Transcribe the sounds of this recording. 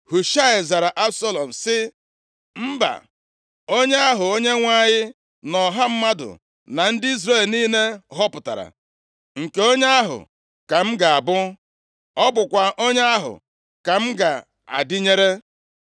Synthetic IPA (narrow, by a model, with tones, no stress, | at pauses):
hu˨ʃa˦ɪ˨za˨ɾa˨ʔa˦bsɔ˦lɔ˨m̩˨sɪ˦ | m̩˦ba̰˨ | o˦ɲe˦a˦ɦʊ˨o˦ɲe˦ŋʷa˦ɲɪ˦ | nɔ˨ɦa˦m̩˦ma˦dʊ̰˨ | na˨n̩˦dɪ˦i˦zɾe˦˨lniː˦ne˦ɦɔ˦pʊ˨ta̰˨ɾa̰˨ | ŋ̩˨ke˨o˦ɲe˦a˦ɦʊ̰˨ | ka˨m̩˦ɡa˨a˨bʊ˦ | ɔ˦bʊ˨kʷa˨ʔo˦ɲe˦a˦ɦʊ̰˨ | ka˨m̩˦ɡa˨ | a̰˨dɪ˦ɲe˦ɾe˦